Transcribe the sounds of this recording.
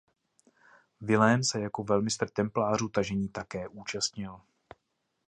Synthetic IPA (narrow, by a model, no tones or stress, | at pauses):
vɪlɛːnsɛjako̞vɛlmɪst̪r̩t̪ɛmplaːruːt̪aʒɛɲiːt̪akɛːʔuːt͡ʃast̪ɲɪl